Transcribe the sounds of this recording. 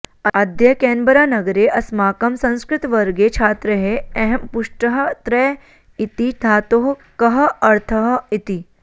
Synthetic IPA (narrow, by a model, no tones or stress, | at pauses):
ɐd̪jɐkɛːnbəɾaːnɐɡɾeːʔɐsmaːkɐmsɐ̃nskɾɪt̪ʋɐɾɡet͡ʃʰaːt̪ɾɐɦeɐɦɛmpʊʂʈəɦɐt̪ɾɛ | it̪it̪ʰaːt̪oɦkɐɦɐɐɾt̪ʰɐɦit̪i